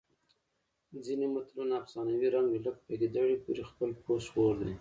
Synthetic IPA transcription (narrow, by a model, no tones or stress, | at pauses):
d͡zinemʊt̪lunaːfsɑnawiɾaŋɡelək̚paɡed̪aɽipuɾexpəlposwoɾd̪e